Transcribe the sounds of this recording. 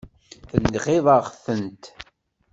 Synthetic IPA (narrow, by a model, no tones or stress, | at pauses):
θənd̪ʁɪðˤɑʁfənt̪